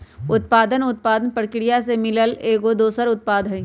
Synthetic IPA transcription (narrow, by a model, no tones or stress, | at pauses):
ʊt̪̚paːd̪ənʊt̪̚paːd̪ənpəɽkɪɽijasemɪləleːkod̪oːsəɾʊt̪̚paːd̪ʱɦəĩ